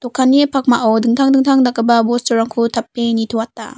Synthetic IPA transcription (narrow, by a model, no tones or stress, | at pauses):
tɔkʰːanepʰak̚maʔowdɯŋtʰaŋdɯŋtʰaŋdakːabɐbostɔɾaŋkʰutʰap̚ːenitʰuwatːa̰